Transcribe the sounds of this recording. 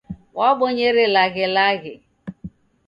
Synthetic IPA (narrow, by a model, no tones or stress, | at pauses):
wɔɡ͡bʊɲeɾɪlaɣɪlaɣɪ